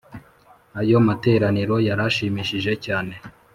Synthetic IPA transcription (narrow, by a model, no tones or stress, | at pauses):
ajo̞mate̞ːɾaniɾo̞jaɾaʃiːmiʃiʒe̞caːne̞